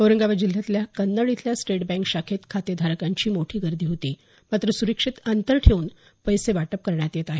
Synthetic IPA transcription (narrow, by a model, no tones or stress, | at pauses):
əʋɾəŋɡaʋad͡ʑil̤jat̪ljakənːəɭit̪ljasʈeʈbɛ̃ŋkɕakʰet̪kʰat̪jəd̪ʱaɾəkaɲt͡ɕiːmoʈʰiːɡəɾd̪ʱiːɦot̪iː | mat̪ɾəsuɾəkʂit̪ant̪əɾʈʰeuːn | pəjseʋaʈəp̚kəɾɳjat̪jet̪aɦe